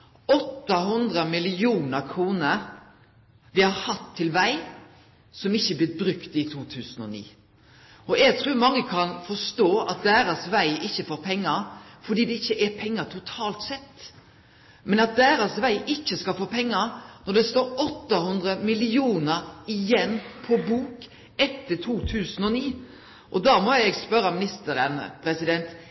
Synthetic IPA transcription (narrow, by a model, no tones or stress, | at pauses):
ɔt̪ːɑɦʉnd̪ɾəmɪlɪuːnəɾkʰɾuːnəɾ | ʋɪhɑɾhɑt̪ʰːɪlʋæɪ | sɔmɪçːəblɪt̪̚bɾʉkt̪ɪt̪ʰuːt̪ʰʉːsən̩ɔ̰nḭː | ɔɛɡ̚t̪ʰɾʉːmɑŋːəkʰɑnfɔst̪oːʔɑ̰t̪̚d̪æːɾɑsʋæɪɪçːəfoːpʰɛŋːɑɾfɔɖ̪iːd̪ɛɪçːəʔɛpʰɛŋːɑt̪ʰʊt̪ʰɑːlt̪sɛt̪ː | mɛnɑt̪̚d̪æːɾɑsʋæɪʔɪçːəskɑlfoːpʰɛŋːɑɾnɔɖ̪ɛst̪oːɾɔt̪ːɑhʉnd̪ɾəmɪlɪuːnəɾɪjɛnːpʰɔbuːk | ɛt̪ʰːət̪ʰuːt̪ʰʉːsən̩ɔniː | ʔɔd̪ɑmɔɛɡspœɾɑmɪnɪst̪əɾənpʰɾɛsɪd̪ɛnt̪